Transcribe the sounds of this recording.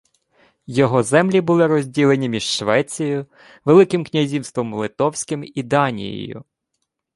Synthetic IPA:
jɔɦɔzɛmlʲibʊlˠɪɾɔzʲdʲilˠenʲimʲiʒʃʋɛt͡sʲijʊ | ʋelˠɪkɪmknʲɐzʲiwst̪ʋɔmlˠɪt̪ɔwsʲkɪmid̪ɑnʲḭjɪ̰jʊ̰

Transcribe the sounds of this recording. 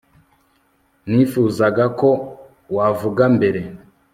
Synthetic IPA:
nifuːzaɡako̞ | wavuɡambe̞ɾe̞

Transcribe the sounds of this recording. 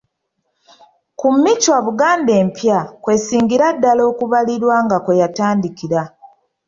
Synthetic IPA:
kumːicwaβuɡaːndeːmpjakwe̞siːŋɡiɾadːalo̞ːkuβaliɾwaŋɡakwe̞jataːndikiɾa

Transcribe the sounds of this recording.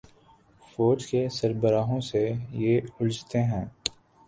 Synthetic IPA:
foːd͡ʒkesəɾbəɾaːɦõsejeːʊld͡ʒt̪eɦɛ̃ː

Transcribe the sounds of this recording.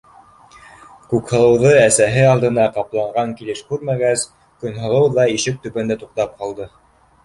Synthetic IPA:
kʉkhɤ̆lˠɤ̆wðɤæsæɦɘɑlˠd̪ɤ̆nɑqɑplˠɑɴɢɑŋkilɘʃkʉɾmæɡæs | kɵ̆nɦɤ̆lˠɤwðɑiʃɘk̚t̪ɵ̆pæ̆nd̪æt̪uq̚t̪ɑp̚qɑlˠd̪ɤ

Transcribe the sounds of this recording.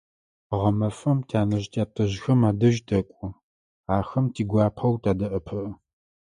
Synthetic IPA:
ʁɐmɐfɐmtʰaːnɐʑtʰaːtʰʼɨʑxɐmaːdɐʒdɐkʷʼʊ | aːxɐmtʰiːɡʷɑːpʰɐwtʰʼaːdɐʔɐpʰɨʔə

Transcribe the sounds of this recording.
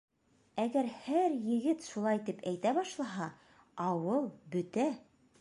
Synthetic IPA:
æɡæɾhæɾjɘ̆ɡɘt̪ʃulˠɑjt̪ipæjt̪æβɑʃlˠɑɦɑ | ɑwɤlˠbɵ̆t̪æ

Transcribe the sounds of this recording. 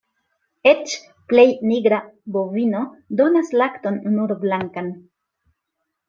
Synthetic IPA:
et͡ʃ | plejniɡɾabovinodo̞naslakto̞nːuɾblaŋkan

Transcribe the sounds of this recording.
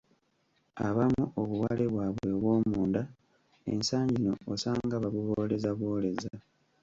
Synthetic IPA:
a̰βamuʔoβuwale̞βwaβweβwo̞ːmuːnda | ḛnsaːɲɟino̞ːsaːŋɡaβaβuβoːle̞zaβo̞ːle̞za

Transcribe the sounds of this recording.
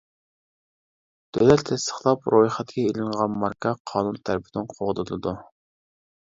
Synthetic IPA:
d̪̥ølɛt̪ʰːɛst̪ʰə̥χlˠɑpɾʔojχɛt̪ɡʲɛelɪŋʁɑnmɑɾkʰɑqʰɑːnunt̪ʰæɾpʰɪd̪ɪnqʰoʁd̪ɨlˠɨd̪u

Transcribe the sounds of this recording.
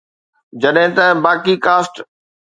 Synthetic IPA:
d͡ʑɐɗɦɪ̃t̪ɐbaːkikaːsʈ

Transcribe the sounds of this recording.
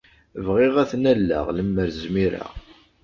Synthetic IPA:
vʁɪʁæθnælːæ̰ʁləmːəɾzmiɾa̰

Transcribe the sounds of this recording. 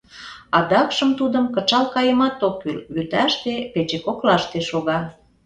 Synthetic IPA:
ɑd̪ɑkʃəmt̪ud̪əmkət͡ʃɑlkɑjəmɑt̪okːylβyt̪æʃt̪epet͡ɕekoklɑʃt̪eʃoɣɑ

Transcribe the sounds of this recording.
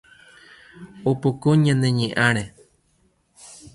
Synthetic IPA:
opokoɲãnẽɲẽʔãɾ̃ẽ

